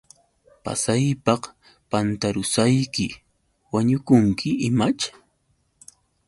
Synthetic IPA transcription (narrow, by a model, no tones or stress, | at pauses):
pa̰sajpɑχ | pant̪aɾʊsajkɪ | waɲʊkʊŋkʰɪɪmat͡ʃ